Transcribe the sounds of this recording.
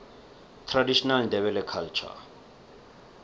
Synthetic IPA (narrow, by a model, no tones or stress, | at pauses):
tʰradiʃɔnalndɛβɛlɛkʰalt͡ʃʰa̰